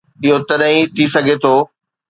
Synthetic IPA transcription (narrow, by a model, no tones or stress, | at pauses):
ɪɦot̪ɐɗɦĩt̪ʰisɐɡʱet̪ʰoː